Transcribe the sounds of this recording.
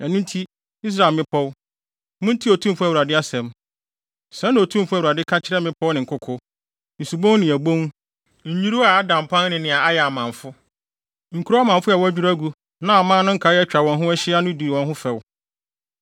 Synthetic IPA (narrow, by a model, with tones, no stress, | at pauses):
ɛ˨nʊ̃˦n̩˦tʰi˦ | i˦s̬ɾa˨lmɪ̃˦pʰɔ˦w | mʊ̃˦n̩˦tʰi˦o˨tʰũ˦m̩˦fʊ˦æ˨wu˨ɾa˨dɪ˦a˦sɛ̃˨m | sɛ̃˨˦ñ˦˨o˨tʰũ˦m̩˦fʊ˦æ˨wu˨ɾa˨dɪ˦kʰa˦t͡ɕʰɪ˦ɾɛ˦mɪ̃˦pʰɔ˦wnɪ̃˨ŋ̩˨kʰʊ˦kʰʊ˦ | n̩˨su˨bõ˦nɪ̃˨æ˨bõ˦ŋ | ɲ̩˨ɲi˦ɾu˦a˨˦dã˨m˨pʰã˦n˦nɪ̃˨nɪ̃˨a˨a˦jɛ˨a˨mã˨fʊ˦ | ŋ̩˨kʰu˦ɾo˦a˦mã˨ɱ˨fʊ˦ɛ˨wɔ˦æ˦d͡ʑᶣu˦ɾæ˦ɡu˨ | nã˦a˨mã˦nʊ̃˦ŋ̩˦kʰa˨˦ɛ˦t͡ɕᶣa˨wɔ̃˨nɦʊ̃˦ɛ˦ɕɪ˦a˦nʊ̃˦di˨wɔ̃˨nɦʊ̃˦fɛ˨w